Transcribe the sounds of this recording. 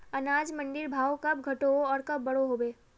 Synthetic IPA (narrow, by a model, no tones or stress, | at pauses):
ɐnaːd͡ʒmɐ̃ɳɖɪɾbʱaːokɐbɡʱɐʈoɔːɾkɐbːɐɽoɦoːbeː